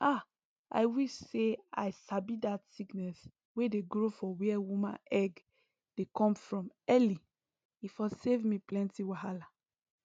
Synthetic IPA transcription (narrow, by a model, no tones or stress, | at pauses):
a | a̰ɪwiʃsea̰ɪsabidatsiknɛs | wedeɡɹofɔwiɛwumã̰nɛɡ | d̥ekɔ̃mfɹɔ̃mɛli | ifɔsevmiplɛ̃ntiwaɦala